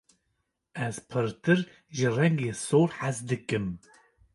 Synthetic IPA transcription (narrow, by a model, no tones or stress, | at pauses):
ɛzpʰɨɾt̪ɨɾ | ʒɨrɛŋɡeːsoːɾħazd̪ɨkɨm